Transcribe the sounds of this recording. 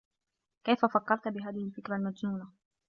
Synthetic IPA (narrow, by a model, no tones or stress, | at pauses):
kajfafɑkːɑɾˤt̪bɪɦaːðɪhɪlfɪkɾalmad͡ʒnuːna